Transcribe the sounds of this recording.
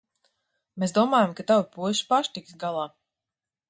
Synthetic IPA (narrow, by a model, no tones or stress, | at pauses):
mesd̪uɔmaːjamkat̪awipuɔʃi̥paʃt̪iksɡalˠaː